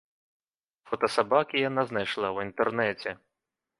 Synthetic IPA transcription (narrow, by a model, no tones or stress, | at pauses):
fɔt̪ɔsɐbakʲɪjɐnaznɐjʃlˠɑwint̪ɛrnɛt͡sʲɛ